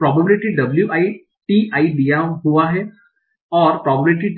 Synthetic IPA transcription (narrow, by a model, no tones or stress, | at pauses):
pɾɔːbəbɪlɪʈiɖɐbljuʔaːi | ʈiaːiɖijaɦuaɦɛː | ɔːɾpɾɔːblɪʈi